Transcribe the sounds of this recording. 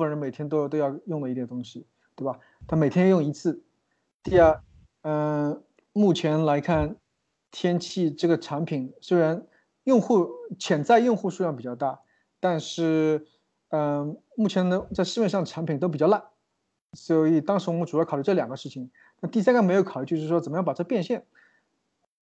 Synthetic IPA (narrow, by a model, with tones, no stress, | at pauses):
fə˥˩nɻə˥nme˨˩ɪt̪ʰjɛ˥nt̪̬o˥ʊt̪o˥ʊjɑ˥˧ʊjʊ˥˩ŋlə˩i˧˥t̪jɛ˨˩t̪ʊ˥ŋɕi˧ | t̪we˥˩bɐ˨˩ | t̪ʰa˥˩me˨˩t̪ʰjɛ˥˧jʊ˥˩ŋi˧˥t͡sʰɹ̩˥˩ | t̪i˥˧ə˞˥˩ | ə˧ | mu˥˩t͡ɕʰjɛ˧˥nla˧˥ɪkʰa˥˩n | t̪ʰjɛ˥nt͡ɕʰi˥˧ʈ͡ʂɤ˥˩ɡə˩ʈ͡ʂʰa˧˥npʰi˨˩ŋswe˥ɪɻa˧˥n | jʊ˥˧ŋxu˥˩t͡ɕʰjɛ˧˥nt͡sa˥˧ɪjʊ˥˧ŋxu˥˧ʂu˥˧jɑ˥˩ŋpi˨˩t͡ɕjɑ˥˧ʊt̪a˥˩ | t̪a˥˧nʂɻ̩˥˩ | ə˧ | mu˥˩t͡ɕʰjɛ˧˥nd̪ə˧t͡sa˥˧ɪʂ̩˧mjɛ˥˧nʂ̬ɑ˥˩d̪ə˩ʈ͡ʂʰa˧˥npʰi˨˩ŋt̪o˥ʊpi˨t͡ɕɑ˥˧la˥˩n | swɔ˧˦˥i˨˩t̪ɑ˥ŋʂɻ̩˧˥wɔ˨˧mə˥ʈ͡ʂu˨˩˥kʰly˥˩ʈ͡ʂɤ˥˩ljɑ˨˩ŋɡə˦ʂɻ̩˥˩t͡ɕʰi˨˩ŋ | t̪ʰa˥˧nt̪i˥˩sa˥nkʰme˧˥ɪjo˧˥ʊkʰɑ˨˩ʊy˥t͡ɕ̩˥˧˥wɔ˥ə˨˩mə˦jɑ˥˩ŋpʈ͡ʂɤ˥˩˧pjɛ˥˧nɕjɛ˥˩n